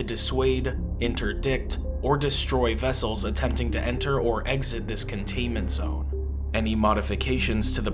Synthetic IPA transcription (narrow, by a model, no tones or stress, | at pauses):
ɨdɨsweɪɾ | ɪ̃ntʰə˞dɪk̚t | ə˞dɨstɹ̥ɔɪvɛsl̩ˠzətʰɛ̃mp̚tɪ̃ŋtɨʔɛ̃ntʰə˞ə˞ʔɛɡzɨt̪̚ðɪskʰɨ̃n̩tʰẽɪ̃nmɨ̃ntz̥õ̰ʊ̃n | ɛnimɑɾɨfɨkʰeɪʃɨ̃nz̥tʰɨðə